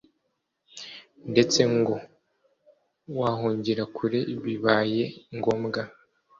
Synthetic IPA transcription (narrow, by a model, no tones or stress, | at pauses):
nde̞t͡se̞ŋɡo̞ | waːɦuːɲɟiɾakʰuɾeβiβaːje̞ŋɡo̞ːmɡa